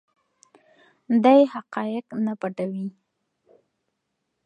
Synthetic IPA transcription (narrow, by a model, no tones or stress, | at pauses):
d̪ajhaqɑjɪqnapaʈawi